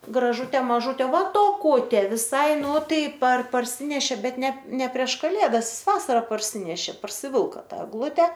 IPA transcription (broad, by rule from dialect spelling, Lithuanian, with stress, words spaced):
ɡrɐˈʒʊtʲeː mɐˈʒʊtʲeː ʋɐ toːˈkʊtʲeː ʋʲɪˈsɐɪ ˈnʊ ˈtɐɪ pɐr pɐrʲˈsʲɪnʲɛʃʲeː ˈbʲɛt ˈnʲɛ ˈnʲɛ pʲrʲiɛʃ kɐˈlʲeːdɐs ˈjɪs ˈʋɑːsɐrɐ pɐrʲˈsʲɪnʲɛʃʲeː pɐrʲsʲɪˈʋʲɪlˠkɐ ˈtɑː ɛɡˈlˠʊtʲɛ